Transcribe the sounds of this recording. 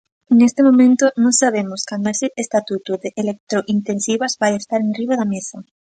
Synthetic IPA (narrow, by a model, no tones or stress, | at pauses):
nest̪ɪmõmẽnt̪ʊnõŋsaβemʊskand̪oesɪʔest̪at̪ut̪oðeʔelek̚t̪ɾoʔint̪ẽnsiβazbajest̪aɾenriβaðamesɐ